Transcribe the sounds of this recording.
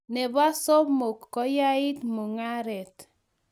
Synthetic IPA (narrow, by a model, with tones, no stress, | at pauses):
nɛ˨ba˦sɔ˦mo˨kːɔ˦ja˦ɪ˦tmo˨ŋa˦ɾɛ˨t